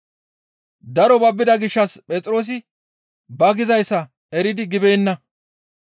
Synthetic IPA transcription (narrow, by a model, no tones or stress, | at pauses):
d̪ɐɾɔbɐbːɪd̪ɐɡɪʃːɐspʼɛt͡sʼɾo̞ːs̬ɪ | bɐɡɪzɐjsːɐ | ɛɾɪd̪ɪɡɪbejnːɐ